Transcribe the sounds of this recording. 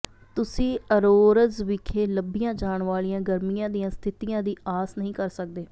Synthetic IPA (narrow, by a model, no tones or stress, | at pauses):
t̪ʊsĩːəɾoːɾəzʋɪkʰeːləbijãːd͡ʒaːɳʋaːlijãːɡəɾmijãːd̪ijãːst̪ʰɪt̪ijãːd̪iːaːsnəɦĩːkəɾsək̚d̪eː